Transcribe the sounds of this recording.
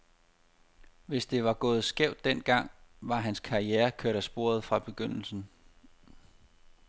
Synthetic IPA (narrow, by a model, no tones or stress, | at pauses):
ʋe̝sd̥e̝ʋɑ̈ɡ̥ɔ̽ːð̞̩ˠsɡ̥eʊ̰d̥ːen̰ɡ̥ɑ̈ŋ̰ʋɑ̈ɦænskʰɑ̈ieːɐkʰøɐ̰ɾ̥æsb̥o̝ɐð̞ˠfʁɑ̈b̥e̝ɡ̥øn̰l̩sn̩